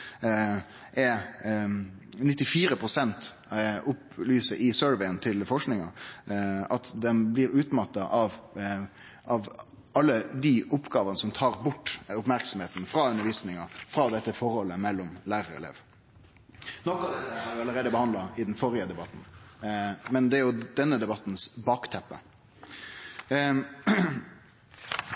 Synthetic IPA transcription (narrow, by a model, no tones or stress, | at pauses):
ʔɛ | nɪt̪ːɪfiːɾəpʰɾʊsɛnt̪ʊplyːsəʔɪsøɹʋɛɪənt̪ʰɪlfɔʂknɪŋɑ | ɑt̪d̪ɛnblɪɾʉːt̪mɑt̪ːɑʔɑʋ | ʔɑʋ | ɑlːəd̪iʔʊpːɡɑːʋɑnəsɔmt̪ʰɑːɾbʊʈːʊpmæɾksɔmheːt̪n̩fɾɑʉnəɾʋiːsnɪŋɑfɾɑːd̪ɛt̪ːəfɔɾhɔlːəmɛlːɔmlæːɾəɾɛ̰lḛːʋ | nɔkːɑd̪ɛt̪ːəhɑɾjʊɑlːəɾeːd̪əbəhɑnd̪lɑɪd̪nfɔɾɪəd̪ɛbɑt̪n̩ | mɛnd̪ɛæɾjʊd̪ɛnːəd̪ɛbɑt̪nsbɑːkt̪ʰɛpːə